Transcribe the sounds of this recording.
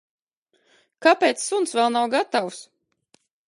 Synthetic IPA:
kapʲeːt̪sːunsvɛlˠnawɡat̪aws

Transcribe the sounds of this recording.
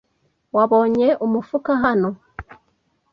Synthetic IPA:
waβo̞ɲeʔumufukaɦano

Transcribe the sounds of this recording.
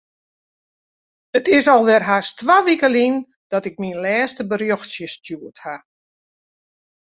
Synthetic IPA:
ətɪsɔlˠʋɛrɦastʋaʋikəlin | d̥ɔtɪk̚minlɛːstəbəɾjoxsjəstjuətha

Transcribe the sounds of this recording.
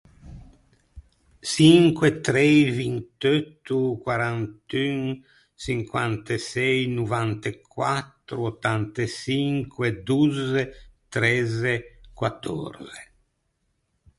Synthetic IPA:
siŋkwet̪ɾɛjvint̪øt̪ːukwaɾant̪yn | siŋkwant̪esɛjnuvant̪ekʰwat̪ːɾuot̪ːant̪esiŋkwed̪uzet̪ɾɛzekwat̪ːɔ̰ɾze

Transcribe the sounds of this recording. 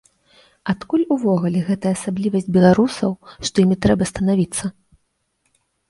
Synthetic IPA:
at̪kulʲuvɔɣulʲɛɣɛt̪ɐjɐːsablʲivɐsʲd͡zʲbʲɛlˠaɾusɐwʂt̪ɔjimʲit̪ɾɛbɐst̪ɐnavʲit̪sːɐ

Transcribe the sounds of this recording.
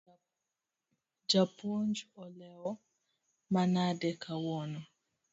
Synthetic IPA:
d͡ʒapɔnd͡ʒɔlɛɔ | manadɛkʰawɔnɔ

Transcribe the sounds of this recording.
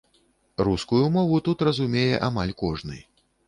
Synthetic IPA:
ruskujumɔvut̪ut̪rɐzumʲejɛʔamalʲkɔʐnɨ̰j

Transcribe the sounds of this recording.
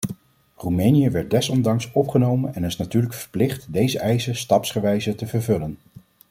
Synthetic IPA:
rumɛjnijəʋɛɹt̚dɛsɔndɑŋsɔpχənowmənɛnɪsnatyːɹləkfə̥ɹplɪχtdejzəʔɛjzəstɑpsχəʋɛjzətəvəɹvɵlən

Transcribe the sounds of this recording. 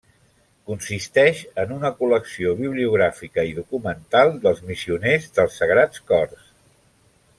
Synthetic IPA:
kunsist̪ɛʃənunəkuləksioβiβliuɣ̞ɾafikəiðukumənt̪alˠd̪əlˠzmisiunezðəlˠsːəɣ̞ɾat͡skɔrs

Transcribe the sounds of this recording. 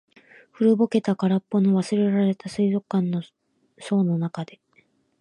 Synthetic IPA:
ɸɯ̟ɾɯ̟bo̞ke̞t̪akaɾapːo̞noβasɨɾe̞ɾaɾe̞t̪asɨizo̞kːãnːo | so̞ːno̞nakad̪e̞

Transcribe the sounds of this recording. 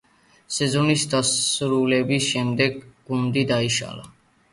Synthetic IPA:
sɛzɔnisd̪asɾulɛbisʃɛmd̪ɛɡːund̪id̪aiʃa̰la̰

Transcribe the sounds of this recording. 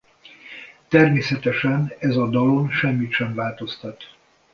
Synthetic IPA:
t̪ɛrmeːsɛt̪ɛʃɛnɛzɒd̪ɒlonʃɛmːit̪ʃɛɱvaːlt̪o̞st̪ɒt̪

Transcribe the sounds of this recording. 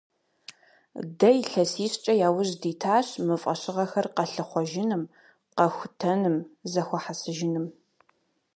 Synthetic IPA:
dɐjɬɐsiːɕt͡ʃʼɐjaːwʊʑdiːtʰaːɕmɨfʼɐɕɪʁɐxɐrqɐɬɨχʷɔʒɪnɨm | qɐxʷʊtʰɐnɨmzɐxʷɔħasɨʒɪnɨm

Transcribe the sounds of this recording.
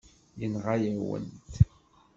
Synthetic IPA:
jənʁajæwə̰nt̪

